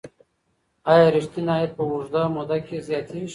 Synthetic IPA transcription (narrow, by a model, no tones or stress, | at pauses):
ajaɾɪʃt̪inaepəʊʐd̪amod̪akezjɑt̪ʰiʃ